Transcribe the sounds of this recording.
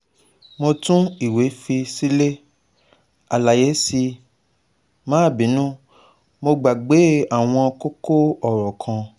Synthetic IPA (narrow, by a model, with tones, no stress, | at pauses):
mõ˧tũ˦i˨we˨˦fi˧si˦le˦ | a˨la˨je˨˦si˧ | mãː˨˦˨bĩ˨˦nũ˦ | mo˧ɡ͡ba˨ɡ͡be˨˦a˦˨w̃ɔ̃˧ko˦ko˦ɔ˦˨ɾɔ˨kʰã˧